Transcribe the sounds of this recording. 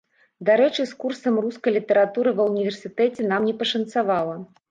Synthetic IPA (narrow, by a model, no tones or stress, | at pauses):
d̪aɾɛt͡ʂɨskursɐmruskɐjlʲit̪ɐɾat̪uɾɨvɐwnʲivʲɛrsʲɨt̪ɛt͡sʲɛn̪amnʲɛpɐʂɐnt̪savalˠɐ